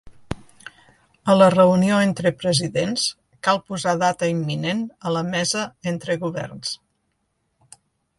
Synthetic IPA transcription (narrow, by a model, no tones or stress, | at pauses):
ələrəunioent̪ɾəpɾəziðens | kalˠpuzaðat̪əimːinenələmɛzəent̪ɾəɣuβɛ̰rns